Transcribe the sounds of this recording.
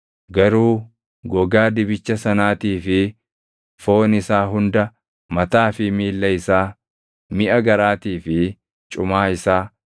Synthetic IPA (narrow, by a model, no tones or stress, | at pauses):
ɡɐɾuː | ɡɔɡaːd̪ɪbɪt͡ʃːɐsɐnaːt̪iːfɪ | fo̞ːnɪsaːɦʊnd̪ɐ | mɐt̪aːfɪmiːlːɐɪsaː | mɪʔɐɡɐɾaːt̪iːfɪ | t͡ʃʼʊmaːɪsaː